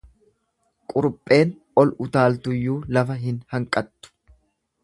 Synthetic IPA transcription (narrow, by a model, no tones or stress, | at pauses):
kʼʊɾʊpʼːe̞ːn | ɔlʊt̪aːlt̪ʊjːuːlɐfɐɦɪnhɐŋkʼɐt̪ːʊ̥